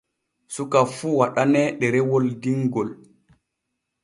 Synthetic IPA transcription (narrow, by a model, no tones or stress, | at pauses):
sukafuwaɗanɛɗɛɾɛwoldiŋɡɔl